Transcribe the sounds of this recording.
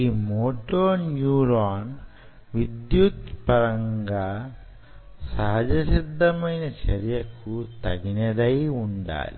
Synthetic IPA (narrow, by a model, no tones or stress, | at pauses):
iːmoːʈoːɾnjuːɾaːn | ʋid̪jut̪pɐɾɐŋɡaː | sɐɦɐd͡ʒɐsid̪ːɐmɐjnɐt͡ʃɐɾjɐkut̪ɐ̰ɡinɐd̪ɐjuɳɖa̰ːlḭ